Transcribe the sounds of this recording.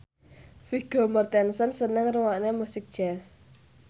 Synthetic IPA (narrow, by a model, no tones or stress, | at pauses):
fiɡ̥omərt̪ɛnsənsənəŋruwaʔnemusɪk̚d̥ʒ̥ɛs